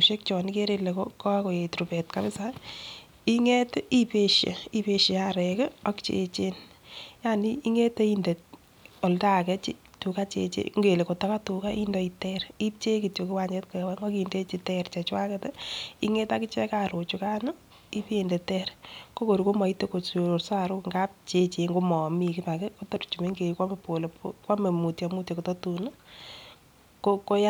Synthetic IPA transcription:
uʃe˦k̚t͡ʃɔ˨nike˦ɾele˨kokɔ˦ko˨je˨tɾupɛ˨tkapɪ˦sa | i˦ŋɛ˦tipeʃjḛ˨i˦pe˦ʃeaɾɛkɪɔ˦kt͡ʃḛt͡ʃe˦n | janii˦ŋɛ˦te˦inde˨ | ɔ˨lda˦kɛt͡ʃɪ˦tu˨ka˦t͡ʃḛt͡ʃḛ˦ŋɡe˨le˨ko˨ta˦katu˨kai˦ndɔitɛɾi˦p̚t͡ʃe˦ki˨tjo˨ke˦wa˨ɲd͡ʒɛ˦tkʊɛ˨waŋɡɔ˦kinde˦t͡ʃitɛrt͡ʃɛ˨t͡ʃwa˦kɛtɛ˦i˦ŋe˦taki˦t͡ʃɛ˦kaɾo˨t͡ʃuka˦nʊ | i˦pe˨nde˨tɛɾko˦ko˨ɾuko˦mɔ˨i˦tːe˦ko˨so˨ɾo˨rsaɾʊ˦kŋɡap̚t͡ʃe˦t͡ʃeŋɡo˦mɔ˨miki˦pa˨kɛkotɔ˦ɾt͡ʃu˨me˦ŋɡe˨kwa˦me˨po˨le˨pokwa˦me˨mu˨tjamu˦tjɔ˨ko˨tɔ˦tuna˦ | koko˦ja

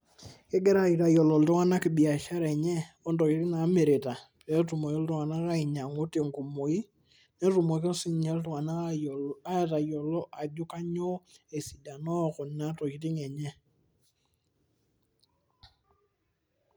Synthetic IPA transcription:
kɛ˦ɡɛ˦ɾa˨˦i˨ta˨jɔ˨lɔ˨ltɔ˦ŋa˦na˦kɪ˨bi˨a˨ʃa˦ɾɛ˨ɲɛ˦ | ɔ˦ndɔ˨ki˨˦tɪ˦ŋa˨˦me˨ɾe˨ta˨pɛ˨˦tu˨mo˨i˦ltɔ˦ŋa˨na˦ka˦i˨ɲa˨ŋu˦te˨ŋku˨mo˨i˦ | nɛ˦tu˨mo˨ke˦si˦ɲɛ˦ltu˨ŋa˨na˦a˨a˦ɛ˨ta˨jɔ˨lɔ˦ʔa˨d͡ʒu˦ka˦ɲɔ˦e˨si˨da˨nɔ˦˨kɔ˨n˦a˦tɔ˨ki˨ti˦ŋɛ˨ɲɛ˦

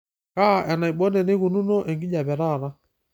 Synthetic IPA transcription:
ka˦˨ʔɛ˨na˨i˨ɓɔ˦nɛ˨ne˦ku˨nu˦no˦ʔɛ˨ŋɡi˦d͡ʒa˨bɛ˨ɾa˦˨ɾa˦

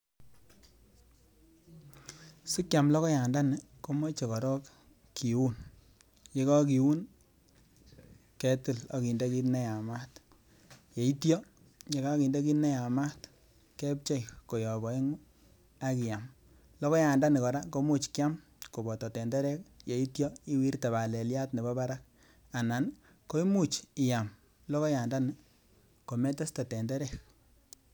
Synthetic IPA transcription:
sɪ˦kja˨mlɔ˦kɔ˦ja˨nda˦nɪ˨ | ko˦mo˦t͡ʃe˨kɔ˨ɾɔ˦k | kːi˨wu˦n | je˦kɔ˦ki˨wu˦n | ke˨tɪ˦˨lɔ˨ki˨nde˦ki˦tne˦ja˨ma˦t | je˨i˦tjɔ˦ | ɲe˨ka˦ki˨nde˦ki˦tne˦ja˨ma˦t | ke˦p̚t͡ʃe˦iko˨jɔ˨bɔ˨e˦ŋu˦ | a˦ki˨ja˨m | lɔ˦kɔ˦ja˨nda˦ni˨kɔ˨ɾa˦ko˦mu˦t͡ʃkɪ˦a˦m | ko˨bɔ˨tɔ˨tɛ˨ndɛ˦ɾɛ˦k̚je˨i˦tjɔ˦i˦wi˦rta˨βa˨le˨lja˦tne˨bɔ˦ba˦ɾa˦k̚ | a˨na˨n | ko˦i˦mu˦˨t͡ʃi˨ja˨m | lɔ˦ko˦ja˨nda˦n˨ | ko˨me˦tɔ˦stɔ˨tɛ˨ndɛ˦ɾɛ˦˨k̚

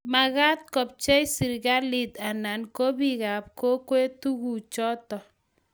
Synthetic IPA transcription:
ma˨ɣa˦t̚kɔ˨p̚t͡ʃɛ˦jsi˨ɾɡa˦lɪ˨ta˨na˨nko˦bi˦˨ɣa˨p̚ko˦kwe˦tu˦ɣu˨t͡ʃɔ˦tɔ˨

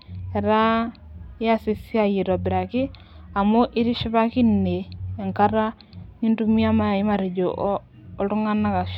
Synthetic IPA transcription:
ɛ˨ɾa˦ | ja˦si˨si˦a˦ji˨ɾɔ˨bɪ˨ɾa˨kɪ˦ | a˨mo˦ʔɪ˦ɾi˦ʃi˦βa˦ki˦nːeː˨ŋka˦ɾa˦ | ɲi˦ntu˦mi˦a˦ma˦˨i˦ma˨ɾi˨d͡ʒo˨ʔː | tu˦ŋa˦na˦ka˨ʃ

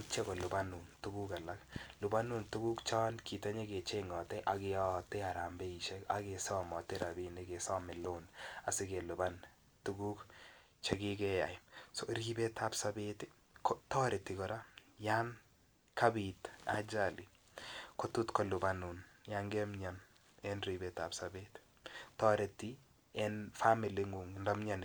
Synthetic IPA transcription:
t͡ʃe˦kɔ˨lʊ˨ba˦nu˨ntu˦ɡu˦ka˨la˦klʊ˨ba˦nu˦ntu˦ɡu˦kt͡ʃɔ˦nki˨ta˦ɲe˦ke˨t͡ʃe˦ŋɔ˨tɛʔa˨kɪ˦ɔtɛ˦a˨ɾa˨mbɛ˦i˨ʃɛ˦ka̰˦ke˨sɔ˦mɔ˨te˦ɾa˨bi˦ne˦ke˨sɔ˦mɪ˨lo˦na˨sɪ˦ke˨lʊ˨ba˦n | tu˦ɡu˦k | t͡ʃe˦ki˦kɛ˦ja˨jsɔ˨ɾi˦be˦ta˦psa˦beti | kɔ˦tɔ˦ɾe˨ti˨kɔ˨ɾa˦ja˦n | ka˦bita̰˦d͡ʒa˨li˨ | ko˦tu˦tkɔ˦lu˨ba˦nu˨nja˦ŋɡɛ˦mɲa˨n | ɛ˦nɾi˨bɛ˨ta˨psabe˦t | tɔ˦ɾe˨ti˦ | ɛ˦nfa˦mi˨li˦ŋɡu˨ŋnda˦mɲa˦n

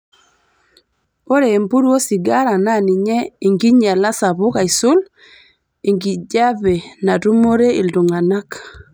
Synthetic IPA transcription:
po˦ɾeː˨mpu˦ɾwo˦si˨ɡa˦ɾa˨na˦˨ni˨ɲɛ˦i˨ŋɡi˦ɲa˨la˦sa˨βʊ˦ka˨i˨sʊ˦l | e˨ŋɡi˨d͡ʒa˦be˨na˨tu˦mo˦ɾe˦i˨ldu˨ŋa˨na˦k

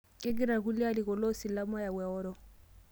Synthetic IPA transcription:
kʼɪ˦k̬ɪ˦ɾa˨ku˦lɪ˦a˦lɪ˨kɔ˨lo˦si˨la˦mɔ˦ja˨wɛ˨ɔː˦ɾɔ˦

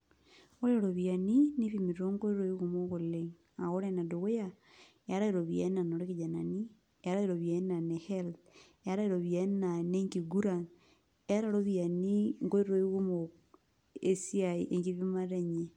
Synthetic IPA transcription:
o˦ɾe˦ɾo˨βja˨ni˦ni˦βimi˨ɾiɾo˦ŋɡo˦i˦ɾo˦i˦ɣo˦mo˦ɣo˨leŋ | a˨ɣo˦ɾe˦na˨do˨ɣe˦ja | e˦a˦ɾa˦iɾo˨βjḛ˦na˨no˨ɾe˦ɣid͡ʒa˨na˨ni˦ | a˦ɾa˦iɾo˨βja˨˦na˨ne˨he˦lt | a˦ɾa˦iɾo˨βje˦na˨ne˦ŋɡi˨ɡu˦ɾa˨n˦ | a˦ɾaɾo˦βja˨ni˦ŋɡo˦i˦ɾo˦i˦ɣo˦mo | e˦si˦aiʔe˨ŋɡi˦βi˦ma˦ɾe˨ɲe

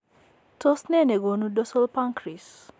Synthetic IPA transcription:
to˦snɛ˦˨ne˨ɡo˨nu˦dɔ˦sɔ˦lpa˦ŋkɾi˨s

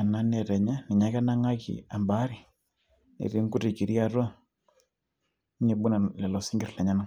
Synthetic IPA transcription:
a˨na˦nɛ˨ɾɛ˨ɲa˦ni˨ɲa˨˦kɛ˦na˦ŋa˦kḭ˨a˨mba˦ɾi˨ | nḭ˨ɾi˦ŋku˦ɾi˨ki˨ɾi˦a˦˨ɾɔ˦ | ɲe˨bu˦na˨lɛ˨lɔ˨si˦ŋɡi˨ɾlɛ˨ɲa˦na˦

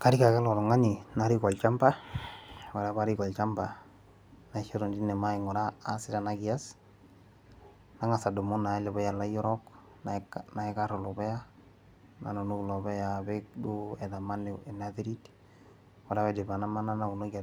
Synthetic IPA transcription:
ka˦ɾi˦ka˨kɛ˦lɔ˨lɔ˨ŋa˦ɲi˨na˦ɾi˦kɔ˨lt͡ʃa˦mba˦ | wa˨ɾa˦βa˦ɾi˦kɔ˨lt͡ʃa˦mba˨ | na˨˦ʃo˦ɾo˨ndi˦nɛ˨ma˦ɪŋɔ˨ɾaː˦sɪ˦ɾa˨na˦ɡi˨a˦s | na˦ŋa˨sa˨do˨mo˦na˨ɛ˦lɛ˨bɔ˦ja˨la˦jɔ˦ɾɔ˦k | nkna˨ɛ˦ka˦ɾɔ˨lɔ˨bɛ˦a˦ | na̰˨no˨nu˦˨lɔ˨bɛ˦ja˨be˦kdu˦ɛ˨ða˨ma˦ne˨e˨na˦ðe˦ɾi˦t | wɔ˨ɾa˦bɛ˦de˨ba˨na˦ma˦na˦na˦u˨lo˦ɡa˨

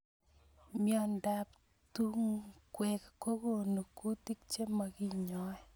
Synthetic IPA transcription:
mjɔ˨nda˨p̚ | tu˦ŋkwɛ˨kko˦ko˦˨no˨ku˦ti˦k̚t͡ʃe˦ma˨ki˦ɲɔ˨˦ɛ˦

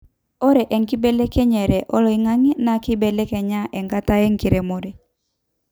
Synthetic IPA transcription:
ɔ˦ɾɛ˨ʔɛ˨ŋki˦bɛ˦lɛ˦kɛ˦ɲɛ˨ɾɛ˨ʔɔ˦lɔ˨i˦ŋa˦ŋi˦na˨kɪ˦bɛ˨lɛ˦kɛ˨ɲa˦ʔɛ˨ŋka˦ta˦e˦ŋki˨ɾe˨mo˨ɾɛ˨

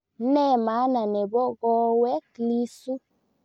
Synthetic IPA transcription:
nɛ˦˨ma˨˦na˨nɛ˨bɔ˦ɣɔ˦wɛ˦kli˦su˦

